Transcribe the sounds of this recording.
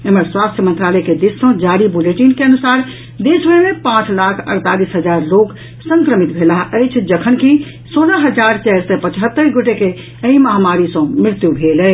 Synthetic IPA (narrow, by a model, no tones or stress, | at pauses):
eməɾswast̪ʰjəmənt̪ɾalɛked̪esːə̃d͡ʒaɾibuleʈinkeənusaɾ | d̪esmemẽpãt͡ʃlakʰə̰ɾt̪alisɦəd͡ʒaɾlok | sə̃ŋkɾəmit̪bʱelaɦʔəjt͡ʃʰd͡ʒəkʰənki | soləɦəd͡ʒaɾt͡ʃɛɦɾsɛpət͡ʃɦət̪ːəɾɡoʈeke | əĩməɦamaɾisə̃mɾɪɾt̪jubʱelə